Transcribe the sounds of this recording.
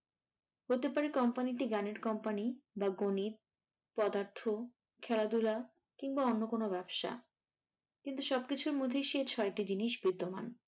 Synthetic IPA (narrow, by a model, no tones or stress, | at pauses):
ɦot̪epaɾekɔmpaniʈiɡaneɾkɔmpanibaɡonit̪̚ | pɔd̪aɾt̪ʰo | kʰɛlad̪ula | kiŋbaonːokonobɛbʃa̰ | kint̪uʃɔb̚kit͡ɕʰuɾmod̪ʱːeʃet͡ɕʰɔeʈid͡ʑiniʃbid̪ːoma̰n